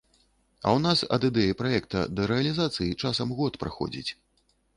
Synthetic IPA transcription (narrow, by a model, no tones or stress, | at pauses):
ɐ̰wn̪asɐ̰d̪ɨd̪ɛjipɾajɛk̚t̪ɐ̰d̪ɐɾɛɐlʲizat̪sɨjit͡ʂasɐmɣɔt̪pɾa̰xɔ̰d͡zʲḭt͡sʲ